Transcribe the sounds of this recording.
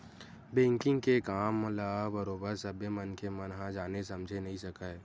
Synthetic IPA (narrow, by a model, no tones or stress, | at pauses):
bẽːŋkɪ̃ŋɡkekaːmlabəɾoːbəɾsɐbemənkemənɦãd͡ʒaːnesɐmd͡ʒʱenɐɦĩsɐkae